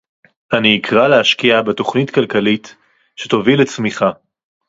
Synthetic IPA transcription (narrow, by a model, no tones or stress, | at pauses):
aniːkʰʁaleaʃkiabeto̞χnitkalkalit | ʃetovilet͡smiχa